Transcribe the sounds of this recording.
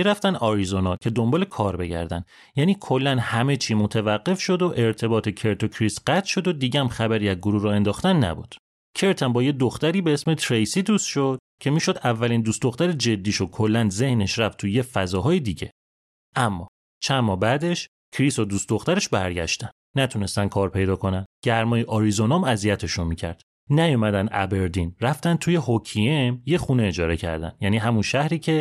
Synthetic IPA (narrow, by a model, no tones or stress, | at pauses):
miɾæft̪ænɒːɾizonɒːcʰe̞d̪o̞mbɒːle̞kʰɒːɾbe̞̰ɟæ̰ɾd̪æ̰nd̪ | jæːniːkʰo̞lːænhæme̞t͡ʃʰiːmo̞t̪ʰævæɡːe̞fʃo̞d̪oʔe̞ɾt̪ʰe̞bɒːt̪ʰe̞cʰe̞ɾt̪ʰo̞kʰɾisɢæt̪ʰʃo̞d̪od̪iːɟæmxæbæɾiːæzɡoɾuhɾɒːe̞nd̪ɒːxt̪ænːæ̰bṵːd̪̥ | cʰe̞ɾt̪ʰæmbɒːjed̪oxt̪æɾiːbeesmet̪ʰɾejsiːd̪uːst̪ʃo̞d̪̥̚ | cʰe̞miːʃo̞d̪ævːæliːnd̪uːstd̪oxt̪æɾed͡ʒe̞d̪ːiːʃokʰo̞lːænze̞hne̞ʃɾæft̪ʰujefæzɒːɦɒːjed̪iːɟe̞̰ | ʔæmːɒ̰ː | t͡ʃʰæmmɒːbæd̪e̞ʃ | cʰɾisod̪ust̪d̪o̞xt̪æɾe̞ʃbæɾɟæ̰ʃt̪ænd̥̪næt̪ʰune̞st̪æn̚kʰɒːɾpʰe̞jd̪ɒːkʰo̞nænd̪ɟæɾmɒːjeʔɒːɾizonɒmæzijæt̪ʰe̞ʃonmicʰæ̰ɾd̪̥ | næjumæd̪ænd̪ʔæ̰be̞ɾd̪inɾæft̪æn̚t̪ʰuːje̞ɦocʰiemjeχuneed͡ʒɒːɾe̞cʰæ̰ɾd̪æ̰njæːniːɦæmunʃæhɾiːcʰe̞